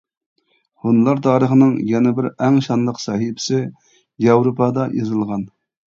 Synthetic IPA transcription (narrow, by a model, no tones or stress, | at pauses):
hunlˠɑɾt̪ʰɑːɾəχənɨŋjɛnɛbɪɾɛŋʃɑnlˠəqsɑɦipʰɪ̥sɪ | jɑwɾopʰɑd̪ɑjḛzɨlˠʁɑn